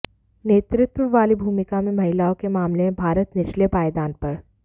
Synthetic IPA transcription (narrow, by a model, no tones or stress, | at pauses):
neːt̪ɾɪt̪wəʋaːlibʱuːmɪkamẽmɐɦɪlaːõkemaːmlemẽbʱaːɾət̪nɪʃlepaːjd̪aːnpɐɾ